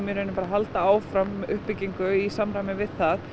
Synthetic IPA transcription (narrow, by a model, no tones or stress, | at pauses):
mjɛɾœnɪmpaːɾaɦalt̪aaːwfɾamʏhpːɪcːiŋkʏisamɾajmɪvɪðθað